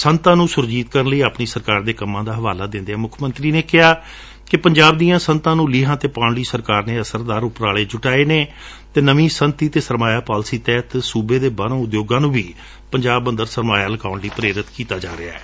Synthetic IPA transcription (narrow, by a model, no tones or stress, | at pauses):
sənt̪ãːnũːsʊɾd͡ʒiːt̪̚kəɾənləiːaːpniːsəɾkaːɾd̪eːkəmːãːd̪aːɦəʋaːlaːd̪ɪ̃nd̪ɛːmʊkʰmə̃nt̪ɾiːneːkɪɦaː | kɪpəɲd͡ʒaːbd̪iːjãːsənt̪ãːnũːliːɦãːt̪eːpãːɳliːsəɾkaːɾneːəsəɾd̪aːɾʊpɾaːleːd͡ʒʊʈaːeːneː | t̪eːnəʋĩːsənt̪iːt̪eːsəɾmaːjaːpaːlsiːt̪ɛːt̪suːbeːd̪eːbanõːʊd̪joːɡãːnũːʋiː | pəɲd͡ʒaːbːə̃nd̪əɾsəɾmaːjaːləkaːʊɳliːpɾeːɾɪt̪kiːt̪aːd͡ʒaːɾea̰ːɛː